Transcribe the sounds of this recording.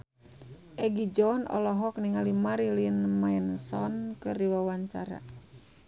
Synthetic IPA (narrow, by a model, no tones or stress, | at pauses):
ʔɛɡid͡ʒɔnʔɔ̰lɔɦɔk̚niŋalimaɾilinmaɛnsɔnkəriwawaɲt͡ʃa̰ɾa̰